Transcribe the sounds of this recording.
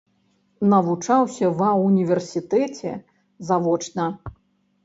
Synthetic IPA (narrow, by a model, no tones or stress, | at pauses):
nɐvut͡ʂawsʲɐvɐunʲivʲɛrsʲit̪ɛt͡sʲɛ̰ | zavɔt͡ʂnɐ